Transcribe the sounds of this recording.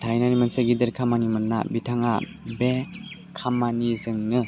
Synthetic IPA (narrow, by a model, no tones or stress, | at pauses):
tʰajnanimansaɡidɯɾkʰamanimɯnːa̰bitʰaŋa | be | kʰamanizɯŋnɯ